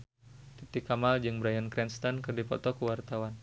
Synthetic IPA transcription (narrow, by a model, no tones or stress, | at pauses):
t̪it̪ikamald͡ʒɨŋbɾajankɾɛnst̪ankərdipɔ̰t̪ɔkuwart̪awan